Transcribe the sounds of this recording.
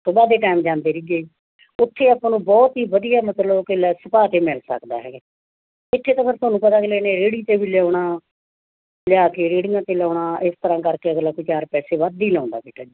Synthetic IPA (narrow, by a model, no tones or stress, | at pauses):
t̪ʊbaːd̪eːʈaːɪmd͡ʒãːnd̪eːɾiːɡeiː | ʊt̪ʰːeːaːpãːnũːbɔːt̪ɦiːʋəd̪ijaːmət̪ləbkɪlɛːsəpaːt̪eːmɛlsə̰kd̪a̰ːɦɛːɡ | ɪt̪ʰːeːt̪aːpʰɪɾt̪ʊaːnũːpət̪aːklɛːneːɾeːɽiːt̪eːbiːlɪjaːɳaː | lɪaːkeːɾeːɽɪjãːt̪eːlaːɽaːʔɪst̪əɾãːkəɾkeːəɡlaːkʊt͡ʃaaːɾpɛːseːʋaːd̪iːlãːnd̪a̰ːbeːʈaːd͡ʒiː